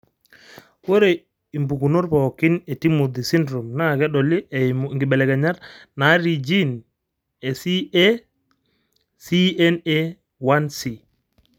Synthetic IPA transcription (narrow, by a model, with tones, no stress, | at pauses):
wo˦ɾe˨ | i˨mbu˨ku˨no˦ɾpa˨kɪ˦ne˨ti˦mu˨d̪i˨si˦ndɾo˨mna˦˨kɛ˦ɗɔ˨li˦˨m˨ŋɡi˨ɓɛ˨lɛ˨ɡɛ˨ɲa˦ɾna˨˦ɾi˨d͡ʒi˦n | e˨si˦e˦ | si˦ɛ˦nɛ˦ | wa˦nsi˨